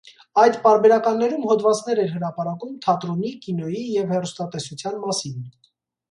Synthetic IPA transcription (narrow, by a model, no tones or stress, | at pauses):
ɑjd̪pɑɾbɛɾɑkɑnːɛɾumhɔd̪vɑt͡snɛɾɛɾɦəɾɑpɑɾɑkumt̪ʰɑt̪ɾɔnikinɔjijɛvhɛrust̪ɑt̪ɛsut͡sʰjɑnmɑsin